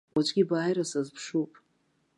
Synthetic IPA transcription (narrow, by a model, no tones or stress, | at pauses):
at͡ʃʷʼɡʲibaːjɾasazpʰʂupʼ